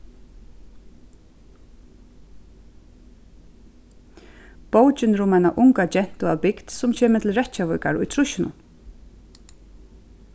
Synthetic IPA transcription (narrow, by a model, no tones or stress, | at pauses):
powt͡ʃɪnɾʊmajnaʔʊŋkat͡ɕɛn̥t̪ʊawpɪkt̪sʊmcʰɛːmɪt̪ʰɪlɹɛt͡ɕavɔjka̰ɾʊ̰jt̪ʰɾʊʃɪnʊ̰n